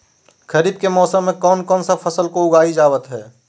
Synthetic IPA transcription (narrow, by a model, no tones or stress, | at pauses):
kəɾiːb̚kemɔːsəmːẽkɔːnkɔːnsapʰɐsəlkoʊɡaːid͡ʒaːwət̪ɦɛː